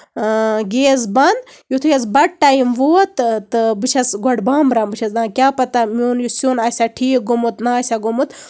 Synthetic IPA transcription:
ɡeːzbɐnd̪ | jut̪ʰujɐs̬bɐʈ̚ʈaːjimʋoːt̪t̪ɨbɨt͡ʃʰɐsɡɔɖbaːmbɾaːmbɨt͡ʃʰɐsd̪ãːkʲaːpɐt̪amoːnjusunaːsʲaʈʰiːk̚ɡumut̪naːsʲaɡumut̪

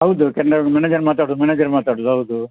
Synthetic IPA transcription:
ɦɐwd̪ukɛnɖɐmɛneːd͡ʒɐɾmaːt̪aːɽoːd̪umɛneːd͡ʒɐɾmaːt̪aːɽoːd̪uɦɐwd̪u

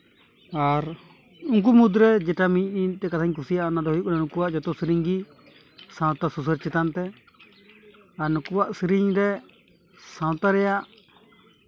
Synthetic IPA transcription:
aɾ | uŋk̬umud̪ɾɛd͡ʒɛʈamiɲ̚nint̪ɛkat̪ʰaɲkʰusijaʔnad̪ɔɦɔjuʔknanukuwaʔd͡ʒɔt̪ɔsiɾiɲɡi | sãw̃t̪asusəɾt͡ʃɛt̪ant̪ɛ | aɾnukuwaʔsiɾiɲɾɛ | sãw̃t̪aɾɛjaʔ

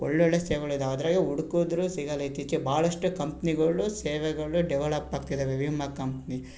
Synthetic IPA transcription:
ɔ̰ɭːɔɭːeseːʋɐɭid̪aɐd̪ɾaːɡeuɽukoːd̪ɾuːsiɡɐlɐit̪it͡ʃːibʱaːɭɐʂʈukɐmpniɡɐɭuseːʋɛɡɐɭuɖɛʋeɭɐpːaːɡ̚t̪id̪eːʋeʋimːɐkɐmpni

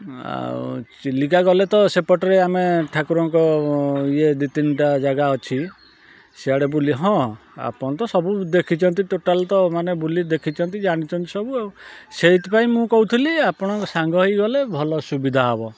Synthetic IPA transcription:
a̰ | likaɡɔlet̪ɔsepɔʈɔɾeameʈʰakuɾɔŋkɔied̪it̪inʈad͡ʒaɡaɔt͡ʃʰi | seaɽebuliɦɔ̃a̰pɔɽ̃t̪ɔsɔbud̪ekʰit͡ʃʰɔnt̪iʈoʈalt̪ɔmanebulid̪ekʰit͡ʃʰɔnt̪id͡ʒaɽ̃it͡ʃʰɔnt̪isɔbuawseit̪paĩmũkɔɦut̪ʰiliapɔɽ̃ɔkɔsaŋɡɔɦiɡɔlebʱɔlɔsubid̪ʱaɦɔbɔ

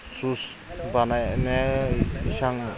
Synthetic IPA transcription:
sus | banajne | ʃaŋ

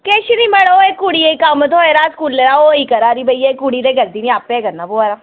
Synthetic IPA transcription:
keːʃinimɐɽoekːuɽieikaːmət̪oeɾaːskuːlːeɾaoikɐɾaɾibʱɐiekuɽiɾeɡɐɾd̪inĩaːpːeɡɐnnaboaɾa

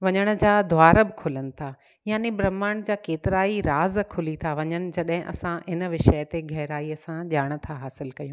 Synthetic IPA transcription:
ʋɐɲəɽ̃ʊ̆d͡ʑaːd̪ʱʊaːɾəbɪkʰʊlənɪ̆t̪ʰa | jaːnebɾɐmaːɽ̃d͡ʑaːkeːt̪ɪɾaːiɾaːzkʰʊlit̪ʰaʋɐɲənɪ̆d͡ʑɐɗɦɪ̃ʔɐ̰sãɪnʋɪʃəjt̪eɡʱɐɦɾaːiəsãʄaːɽ̃̆t̪ʰaɦaːsɪlkɐjũː

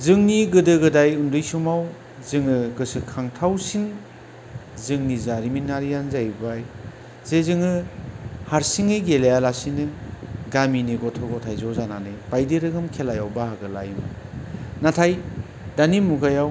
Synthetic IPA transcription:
zɯŋniɡɯdɯɡɯdajundɯjsumaw | zɯŋɯɡɯsɯkʰaŋtʰawsiŋ | zɯŋnizaɾiminːaɾijanzajbaj | zezɯŋɯ | haɾsiŋɯjɡelejalasinɯɡaminiɡɔtʰɔɡɔtʰajzɔzananɯjb̥ajdeɾɯɡɯmkʰelajawbaɦaɡɯla̰jmɯnatʰaj | danimuɡajaw

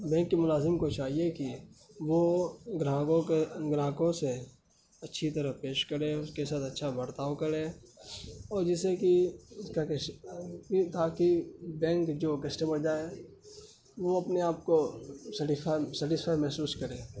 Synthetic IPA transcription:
bɛ̃ːŋkːimʊlaːzɪmkot͡ʃaːɦiekiʋoɡɾãːkõeɡɾãːkõse | ɐtːʃʰit̪əɾəpeːʃkəɾẽʊskesaːt̪ɐtːʃʰabəɾt̪aːwkəɾẽː | ɔːɾd͡ʒɪsekiʊskak | it̪ʰaːkibɛ̃ːŋkd͡ʒoːkəsʈeməɾd͡ʒaːe | ʋoɐpneaːp̚kosəʈɪsfʰaːsəʈɪsfʰaːjmɛɦsuːskəɾẽː

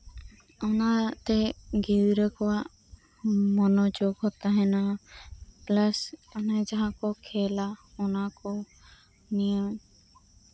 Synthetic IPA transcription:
ɔnat̪ɛɡiwɾəkɔwaʔ | mɔnɔd͡ʒoɡɦɔt̪aɦɛna | plasɔnad͡ʒaɦãkɔkʰɛlaɔnakɔ | nijɔŋ

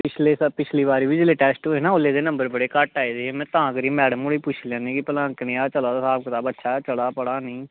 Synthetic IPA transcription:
pɪt͡ʃʰleːsəpɪt͡ʃʰliːʋaːɾiːʋiːd͡ʒleːʈɛːsʈoɦeːnãːolːeːd̪eːnə̃mbəɾbəɽeːkəʈːaːiːd̪eːemɛ̃ːt̪aãːkəɾiːmɛːɽəmoːɽeːpʊt͡ʃʰljãːnĩːkɪpəlãːknɪjaːt͡ʃəlaːd̪asaːb̚kɪt̪aːbətːʃʰaːt͡ʃəlaːpəɽaːnĩː

